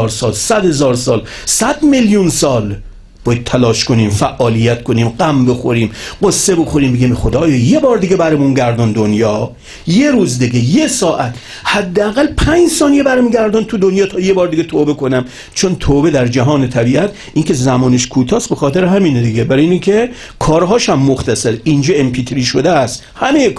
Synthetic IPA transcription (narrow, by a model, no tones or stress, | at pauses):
ɾsɒːlsæd̪hezɒːɾsɒːlsæd̪meljunsɒːl | bɒːjæd̪̚t̪ʰːælɒːʃko̞niːmfæʔɒːlijæt̪kʰo̞niːmɢæmbexoɾiːmɢosːe̞bo̞xoɾiːmbeɡimxod̪ɒːjɒːje̞bɒːɾd̪iɡebæɾemunɟæɾd̪ɔnd̪onjɒː | jeɾuːzd̪iɡejesɒːʔæt̪ʰ | hæd̪ːeæɣælpʰænd͡ʒsɒːnijebæɾemuɡæɾd̪ɔnt̪ʰud̪onjɒːt̪ʰɒjebɒːɾd̪iɡet̪ʰoːbekʰo̞næm | t͡ʃʰont̪ʰoːbe̞d̪æɾd͡ʒæɦɒːnet̪ʰæbiːʔæt̪ | ʔiːŋkʰe̞zæmɒːneʃkʰuːt̪ʰɒːst̪bexɒːt̪ʰeɾeɦæmiːned̪iɡebæɾejinikʲʰe | kʰɒːɾɦɒːʃæmːoxt̪æsæɾind͡ʒɒːempʰiːt̪ʰeɾiːʃod̪eæst̪hæmejek